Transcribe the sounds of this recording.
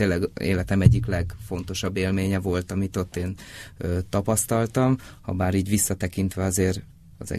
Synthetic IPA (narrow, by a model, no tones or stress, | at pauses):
eːnlɛɡḛːlɛt̪ɛmɛɟːiklɛɡfo̞nt̪o̞ʃɒbːeːlmeːɲɛvo̞lt̪ɒmit̪o̞t̪ːeːnøt̪ɒpɒst̪ɒlt̪ɒmhɒ̰baːɾiːɟʋisːɒt̪ɛkint̪ʋɛɒzeːr | ɒ̰zɛ̰